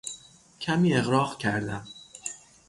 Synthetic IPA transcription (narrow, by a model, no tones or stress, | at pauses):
cʰæmiːe̞ɣɾɒːɣcʲʰæɾd̪æm